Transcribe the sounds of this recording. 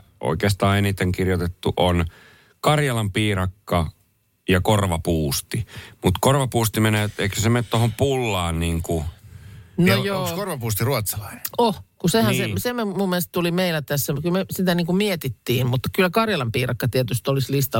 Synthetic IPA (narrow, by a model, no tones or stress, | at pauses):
o̰ikeːst̪ɑːenit̪eŋkirjot̪et̪ːuʔon | kɑrjɑlɑmpiːrɑkːɑ | jɑkorʋɑpuːst̪imut̪korʋɑpuːst̪imeneːeikøsement̪t̪ohompulːɑːnniːŋku | nojoːskorʋɑpuːst̪iruot̪sɑ̥lɑine̥ohkusehænsesememumːieest̪t̪ulimeilæt̪æsːækylmesit̪æniːŋkumiet̪it̪ːiːmmut̪ːɑ̥kylːækɑrjɑlɑmpiːrɑkːɑt̪iet̪yst̪olislist̪ɑ